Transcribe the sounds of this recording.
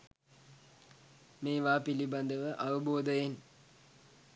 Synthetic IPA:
meːʋaːpiliband̪əʋəʔaʋəboːd̪əjen

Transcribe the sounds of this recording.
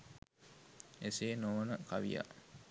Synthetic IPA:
eseːnoːnəkaʋija̰

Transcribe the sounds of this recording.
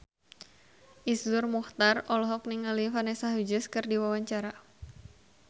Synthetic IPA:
ʔisdʊrmuht̪arɔlɔɦɔk̚niŋalifanɛsaɦud͡ʒəskɨrdiwawaɲt͡ʃaɾa

